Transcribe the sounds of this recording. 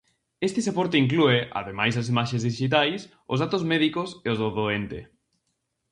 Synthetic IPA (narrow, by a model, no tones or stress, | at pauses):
est̪ɪsepɔɾt̪eiŋk̬lueʔa̰ðemajsɐs̬imaʃẽzðiʃit̪̬ajs | ʊ̰zðat̪ozmɛðikoseozðoðoent̪e